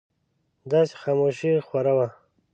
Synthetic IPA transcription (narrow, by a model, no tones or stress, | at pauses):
d̪ɑse̥xaːmoʃixwaɾawa